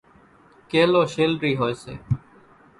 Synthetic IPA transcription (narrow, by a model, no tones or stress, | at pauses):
keːloːʃeːlɾiːɦoːeːsḛː